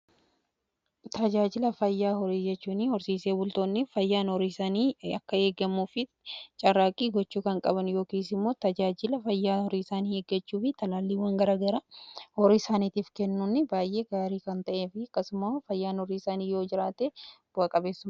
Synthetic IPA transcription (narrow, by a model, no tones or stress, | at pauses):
t̪ɐd͡ʒaːd͡ʒɪlɐfɐjːaːhɔɾiːd͡ʒɛt͡ʃːuːnɪhɔɾsiːseːbʊlt̪oːnːɪfɐjːaːnhɔɾiːsaːniːɐkːɐe̞ːɡɐmːuːfɪ | t͡ʃʼɐraːkʼiːɡɔt͡ʃːuːkɐŋkʼɐbɐnjo̞ːkiːs̬ɪmːo̞ːt̪ɐd͡ʒaːd͡ʒɪlɐfɐjːaːhɔɾiːsaːniːeːɡːɐt͡ʃːuːfɪt̪ɐlaːlːiːwɐŋɡɐɾaːɡɐɾɐhɔɾiːsaːniːt̪iːfkɛnːunːɪbaːjʔe̞ːɡaːɾiːkɐnt̪ɐʔeːfɪɐkːɐsʊmaːfɐjːaːnhɔɾiːsaːniːjo̞ːd͡ʒɪɾaːt̪eːb̥ʊɐkʼɐbeːsːʊmɐ